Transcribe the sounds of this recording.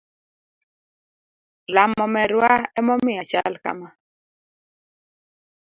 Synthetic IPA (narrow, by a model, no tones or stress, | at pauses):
lamɔmɛɾwaɛmɔmɪjat͡ʃalka̰ma